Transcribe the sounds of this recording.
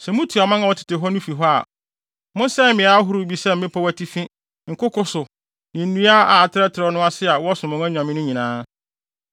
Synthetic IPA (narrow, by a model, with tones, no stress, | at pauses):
sɛ˨mũ˦tʰi˨a˨mã˦ŋa˦˨wɔ˦tʰɪ̥˨tɪ˨ɦɔ˦nʊ̃˦fi˨ɦɔ˦a̰˨ | mʊ̃˦n˦sɛ˦m˦mɪ̃˨a˦ɦʊ˦ɾʊ˦bi˦sɛ˦m̩˦mɪ̃˦pʰɔ˦wæ˦tʰi˦fĩ˦ | ŋ̩˨kʊ˦kʊ˦sʊ˨ | nɪ̃˨n̩˦nũ˦a˦a˨a˨tʰɪ˦ɾɛ˦tʰɪ˨ɾɔ˨nʊ̃˦a˦sɪ˦a˨wɔ˦sʊ̃˨mʊ̃˨˦æ̃˦ɲᶣ˨ã˨mɪ̃˦nʊ̃˦ɲĩ˨nãː˦